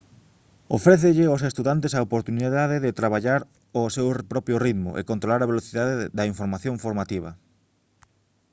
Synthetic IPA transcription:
ofɾeθɪʎɪosest̪uðant̪esaopoɾt̪uniðaðeðɪt̪ɾaβ̞aʎaɾ | osewpɾɔpɾjoriðmʊ̰ʔḛkont̪ɾolaɾaβ̞eloθiðaðeðɐiɱfoɾmaθjõŋfoɾmat̪iβ̞ɐ̰

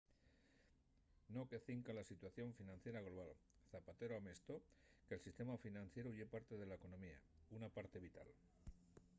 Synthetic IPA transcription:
no̞keaθiŋkalasit̪waθjo̞ɱfinãnθje̞ɾaɣ̞loβ̞al | θapat̪e̞ɾoamest̪o̞ | kelsist̪e̞mafinãn̟θje̞ɾuʝe̞paɾt̪e̞ð̞e̞laeko̞no̞mia̰unapaɾt̪e̞β̞it̪a̰l

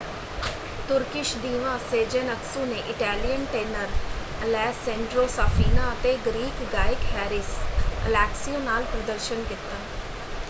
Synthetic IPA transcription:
t̪ʊɾkɪʃd̪iːʋãːseːd͡ʒenəksũːneʔɪʈɛːlijənʈeːnəɾlɛːsɛ̃ɳɖɾoːsaːfʰiːnaːət̪eːɡɾiːkɡaːɪkɦɛːɾɪsə̰lɛːksijõːnaːlpɾəd̪əɾʃənkɪt̪ːaː

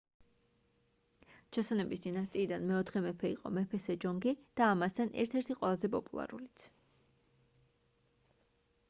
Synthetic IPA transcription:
t͡ʃʰɔsɔnɛbisd̪inast̪ʼiːd̪anmɛɔt̪ʰχɛmɛpʰɛiqʼɔ̰mɛpʰɛsɛd͡ʒɔŋɡid̪̥aːmast̪ʰanʔɛ̰ɾt̪ʰɛɾt̪ʰiqʼwɛlˠazɛpʼɔpʼulˠa̰ɾṵlit̪sʰ

